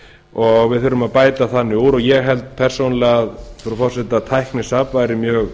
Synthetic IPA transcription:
ɔɣvɪðθʏɾʏmaðpaːjt̪aθanːɪuɾɔɣjɛɣɦɛlt̪̚pʰɛr̥sownalɪaðfɾufɔr̥sɛt̪at̪ʰajhknɪsaːpvaːjɾɪmjœːɣ

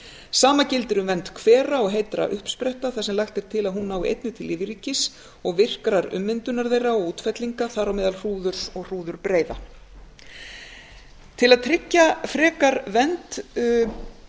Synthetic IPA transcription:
saːmacɪlt̪ɪɾʏmvɛnt̪kʰvɛːɾaɔɣɦejt̪ɾa̰ʔʏhpspɾɛht̪aθasɛmlaxt̪ɛɾ̥t̪ʰɪlaðɦunːaːwiḛjt̪nʏt̪ʰɪlɪvɪɾicɪs | ɔɣvɪr̥kɾaɾʏ̰mːɪnt̪ʏnaɾðejraɔɣuːt̪fɛt̪liŋkaθaɾawmɛːðalr̥uːðʏɾ̥sɔɣr̥uːðʏɾpɾeːjða̰ | t̪ʰɪlaðt̪ʰɾɪcːafɾɛːkaɾvɛnt̪

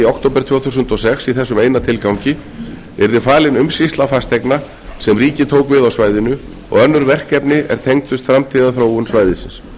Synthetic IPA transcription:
iawk̚t̪ʰowpɛɾt̪ʰœːθusʏnt̪ɔsɛxsiθɛsːʏmeːjnat̪ʰɪlkawcɪ | ɛɾðɪfaːlɪnʏmsist̪lafast̪ʰejkna | sɛmriːcɪt̪ʰoːwkvɪðawsvaːjðɪnʏ | ɔ̰ɣœnːʏɾvɛr̥kɛpnɪɛ̰ɾ̥t̪ʰejŋkt̪ʏst̪fɾamt̪ʰiːðaθɾoːwʏnsvaːjðɪsɪns

